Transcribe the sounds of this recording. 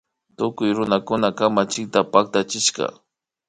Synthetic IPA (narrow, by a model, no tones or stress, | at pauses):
t̪ʊkʊjɾʊnakʊnakamat͡ʃɪk̚t̪apak̚t̪at͡ʃɪʃka̰